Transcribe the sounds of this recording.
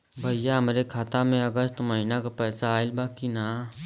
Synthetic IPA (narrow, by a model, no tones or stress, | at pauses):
bʱəijaɦəmɾekʰaːt̪amẽəɡəst̪məɦinakapɛːsaːɪlbakinaː